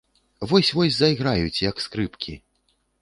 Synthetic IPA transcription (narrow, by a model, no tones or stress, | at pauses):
vɔsʲvɔsʲzɐjɣɾajut͡sʲjɐkskɾɨpkʲʰi